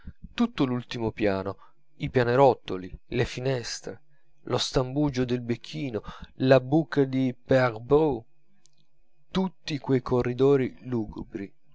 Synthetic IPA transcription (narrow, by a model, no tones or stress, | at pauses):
t̪ut̪ːʊlult̪imopjaːno | ipjaneɾɔt̪ːolilefinɛst̪ɾe | lost̪ambud͡ʒod̪elbekʰːiːnolabukʰːad̪ipeaɾbu | t̪ut̪ːikwejkʰorːid̪ɔːɾiluːɡubɾi